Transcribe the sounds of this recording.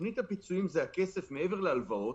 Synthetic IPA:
nit̪hapit͡suimzeake̞se̞fmeeve̞ʁlealvao

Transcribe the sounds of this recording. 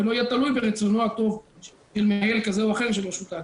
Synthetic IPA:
eloajat̪alujbeʁet͡sonoat̪o̞v | ʃelmeajelkazeuaχe̞ʁʃelaʃut̪a

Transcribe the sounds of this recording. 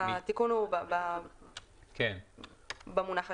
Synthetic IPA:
at̪ikunubaba | ken | bamunaχ

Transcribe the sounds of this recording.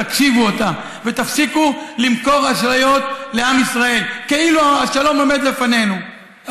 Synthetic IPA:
akʃivuot̪a | ve̞t̪afsikulimko̞ʁaʃlajo̞t̪le̞amisʁae̞lke̞iluaaʃalo̞mo̞me̞d̪le̞fane̞nu

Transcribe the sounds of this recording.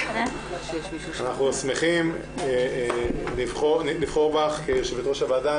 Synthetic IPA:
anaχnusmeχim | livχoniliv̥χoʁbaχkeʃebet̪ʁoʃavaːda

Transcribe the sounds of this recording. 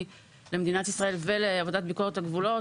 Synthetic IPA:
lemed̪inatisʁae̞lve̞leavodat̚biko̞ʁethaɡvulo̞

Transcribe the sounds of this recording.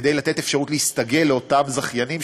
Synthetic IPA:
d̪ejlat̪e̞t̪efʃaʁutleist̪aɡe̞lːeo̞tamzaχjanim

